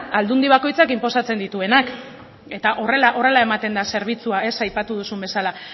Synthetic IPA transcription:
ald̪und̪iβ̞ako̞jt͡sakimpo̞sat͡se̞nd̪it̪ue̞nak | e̞t̪aʔo̞re̞laʔo̞re̞lae̞mat̪e̞nd̪ase̞ɾβ̞it͡suae̞sajpat̪uðusumbe̞sala

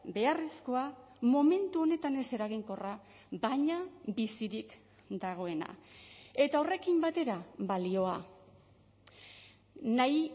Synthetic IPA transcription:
be̞arisko̞amo̞me̞nt̪uo̞ne̞t̪ane̞se̞ɾaɣ̞iŋko̞ra | baɲabisiɾik | d̪aɣ̞o̞e̞na̰e̞t̪ao̞re̞kimbat̪e̞ɾaβalio̞a | naj

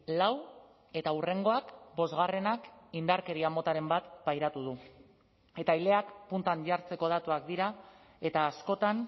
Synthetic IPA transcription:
law | e̞t̪aure̞ŋɡo̞akbo̞zɣare̞nakind̪aɾke̞ɾiamot̪aɾe̞mbat̪pajɾat̪uð̞u | e̞t̪ajle̞akpunt̪aɲɟaɾt͡se̞ko̞ð̞at̪uakd̪iɾa | e̞t̪aːsko̞t̪an

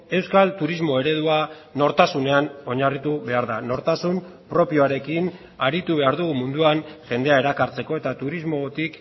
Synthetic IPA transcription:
e̞wskalt̪uɾizmo̞e̞ɾe̞ðua | no̞ɾt̪asune̞ano̞ɲarit̪uβe̞aɾðano̞ɾt̪asumpɾo̞pio̞aɾe̞kin | aɾit̪uβe̞aɾðuɣumund̪uanʝe̞nd̪e̞ae̞ɾakaɾt͡se̞ko̞e̞t̪at̪uɾizmo̞t̪ik

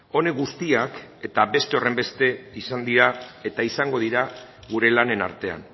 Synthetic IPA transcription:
o̞ne̞ɣust̪iake̞t̪abe̞st̪e̞o̞re̞mbe̞st̪e̞isand̪iɾae̞t̪aisaŋɡo̞ð̞iɾa | ɣuɾe̞lane̞na̰ɾt̪e̞a̰n

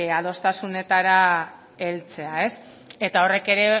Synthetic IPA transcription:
aðo̞st̪asune̞t̪aɾa | e̞lt͡se̞ae̞s | e̞t̪ao̞re̞ke̞ɾe̞

